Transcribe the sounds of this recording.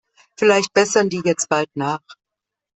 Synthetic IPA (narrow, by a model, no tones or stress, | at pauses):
fɪlaɪçt̚b̥ɛsɐndiːjɛt͡st̚b̥altnaːχ